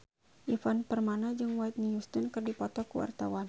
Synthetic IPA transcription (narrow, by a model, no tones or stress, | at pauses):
ʔifanpərmanad͡ʒɨŋwajt̪̚nijust̪ənkɨrdipɔt̪ɔkəwa̰rt̪awan